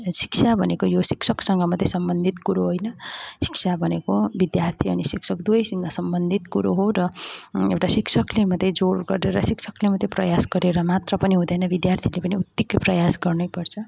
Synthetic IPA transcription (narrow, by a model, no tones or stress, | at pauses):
si̥ksʰabʱʌnekojosiksʰʌksʌŋɡʌmʌd̪ʱːesʌmbʌnd̪ʱit̪kuɾoɦojnʌsi̥ksʰabʱʌnekobid̪jart̪ʰiʌnisiksʰʌkd̪uʌjsʌŋɡʌsʌmbʌnd̪ʱit̪kuɾoɦoɾʌewʈasiksʰʌklemʌd̪ʱːed͡zoɾɡʌreɾʌsiksʰʌklemʌd̪ʱjeprʌjasɡʌɾeɾʌmat̪rʌpʌniɦũd̪ʌjnʌbid̪jart̪ʰilepʌniut̪jikːʌprʌjasɡʌrnʌjpʌrt͡sʰʌ